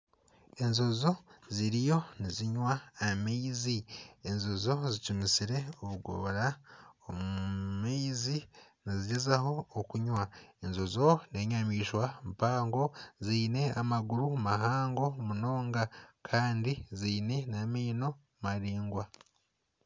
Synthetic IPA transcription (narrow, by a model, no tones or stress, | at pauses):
e̞nzo̞zo̞ziɾijo̞niziɲwaːmeizienzozo̞zicumisiɾe̞oβuɡo̰ɾaomuumeiziniziɟezaho̞ːkuɲwaenzozo̞ne̞ɲamiːʃwampaːŋɡo̞ziːne̞amaɡuɾumaɦaːŋɡo̞muno̞ːŋɡakʰaːndiziːne̞nameːno̞ | maɾiːŋɡwa